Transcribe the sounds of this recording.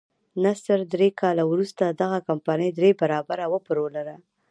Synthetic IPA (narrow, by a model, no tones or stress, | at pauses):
nasəɾd̪ɾekɑlawɾust̪ad̪aɣakampanəjd̪ɾebaɾɑbaɾawəpɾolaɾa